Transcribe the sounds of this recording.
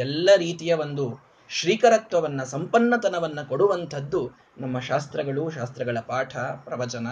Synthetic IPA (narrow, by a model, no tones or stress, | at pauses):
ɛlːɐɾiːt̪ijɐʋond̪u | ʃɾiːkɐɾɐk̚t̪ʋɐʋɐnːɐsɐmpɐnːɐt̪ɐnɐʋɐnːɐko̞ɽuʋɐnt̪ʰɐd̪ːu | nɐmːɐʃaːst̪ɾɐɡɐɭuʃaːst̪ɾɐɡɐɭɐpaːʈʰɐpɾɐʋɐt͡ʃɐnɐ